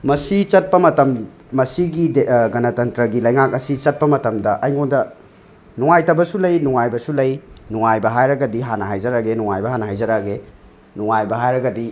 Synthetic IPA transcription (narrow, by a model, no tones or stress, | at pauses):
mɐsit͡ʃɐt̚pɐmɐtɐm | mɐsiɡidɡɐnɐtɐntɾɐɡilɐjŋak̚ɐsit͡ʃɐt̚pɐmɐtɐmdɐʔɐjŋondɐ | nuŋajtɐbɐsulɐjnuŋajbɐsulɐjnuŋajbɐɦajɾɐɡɐdiɦanɐɦajzɐɾaɡenuŋajbɐɦanɐɦajzɐɾaɡe | nuŋajbɐɦajɾɐɡɐdi